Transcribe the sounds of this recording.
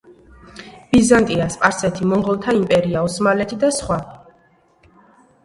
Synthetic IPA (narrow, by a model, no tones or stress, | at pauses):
b̥izant̪ʼiaspʼaɾsɛt̪ʰimɔɴʁɔlˠt̪ʰaimpʼɛɾiaɔsmalɛt̪ʰid̪asχwa